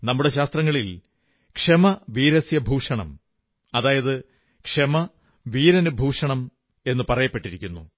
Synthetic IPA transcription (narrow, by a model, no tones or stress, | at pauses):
nɐmːuɽe̞ɕaːst̪rɐŋːɐɭil | kʂemɐʋiːɾɐsjɐbʱuːʂɐɳɐm | ɐðaːjɐðɨ | kʂemɐ | ʋiːɾɐnubʱuːʂɐɳɐm | e̞nːɨpɐrɐjɐpːe̞ʈːiɾikʲːunːṵ